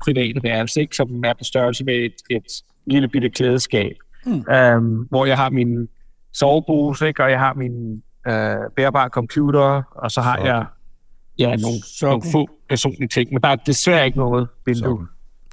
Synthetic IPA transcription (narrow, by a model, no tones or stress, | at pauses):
pʰʁiʋɛ̰ːd̥ɐʋ̥æɐlse̝ɡ̥sɒ̽mæɐpʰɒsd̥ɶɐlsəmeed̥e̝d̥ | liləb̥id̥əkʰleːð̞̩ˠsɡ̥ɛ̰ːb̥ʔømʋɒjɑ̈ɪɦɑ̈minsɒʊb̥uːseɡ̥ɒ̽jɑ̈ɪɦɑ̈min | øb̥eːɐb̥ɑ̰̈kʰɒ̽mpʰjuːɾ̥ɐɒ̽sɒ̽ɦɑ̈jjɑ̈ɪ | jæno̝ːn̩ofɔ̰ːpʰæɐso̝̰ːnliət͡sʰe̝ŋ̰mend̥ɑ̈æɐd̥e̝sʋæɐ̰e̝ɡ̥ənɔ̽ːð̞̩ˠʋend̥u